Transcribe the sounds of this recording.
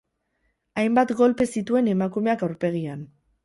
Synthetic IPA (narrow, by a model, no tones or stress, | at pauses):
ajmbat̪ɡo̞lpe̞sit̪ue̞ne̞makume̞akawɾpe̞ɣ̞ian